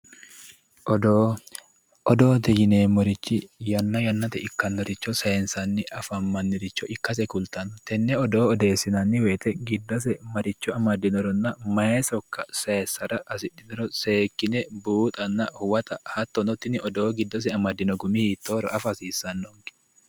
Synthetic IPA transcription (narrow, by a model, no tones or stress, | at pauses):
ɔd̪o | ʔɔd̪oːt̪ɛjɪneːmɔɾɪt͡ʃːɪjɐnːɐjɐnːɐt̪ɛɪkːɐnːɔɾɪt͡ʃːɔsɐjɛnsɐnːɪʔɐfɐmːɐnːɪɾɪt͡ʃːɔʔɪkːɐs̬ɛkʊlt̪ɐnɔt̪ɛnːɛɔd̪o̞ːɔd̪e̞ːsːɪnɐnːɪweːt̪ɛɡɪd̪ːɔs̬ɛmɐɾɪt͡ʃːɔɐmɐd̪ːɪnɔɾɔnːɐmɐɛsɔkːɐsɐɛsːɐɾɐʔɐsɪᶑːɪnɔɾɔseːkːɪnɛbuːt̪ʼɐnːɐhʊwɐt̪ɐhɐt̪ːɔnɔt̪ːɪnɪɔd̪oːɡɪd̪ːɔs̬ɛɐmɐd̪ːɪnɔɡʊmɪhiːt̪ːoːɾɔʔɐfɐsiːsɐnːɔŋɡɪ̥